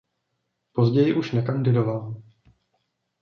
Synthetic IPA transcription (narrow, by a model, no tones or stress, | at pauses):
po̞zɟɛjɪʔuʃnɛkandɪdoval